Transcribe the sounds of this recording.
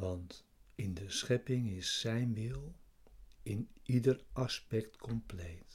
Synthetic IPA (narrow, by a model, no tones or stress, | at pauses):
ʋɑnt | ɪndəsχɛpɪŋɪsːɛjnʋɪlˠ | ɪnidərʔɑspɛktkʰɔmplejt